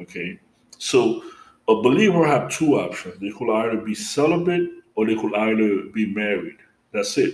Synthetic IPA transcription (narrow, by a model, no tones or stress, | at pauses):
okʰeɪ | soʊ | əbəlivə˞ɨv̥tʰuɔpʃɨ̃nzðeɪkʰəlaɪðə˞bisɛlˠəbeɾə˞ðekʰəlaɪðə˞bimɛɹid̥̚ | ðætsɪt̚